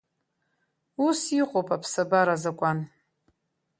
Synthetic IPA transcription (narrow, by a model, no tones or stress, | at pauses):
usiqʷʼopʰʼapʰsabaɾazakʷʼan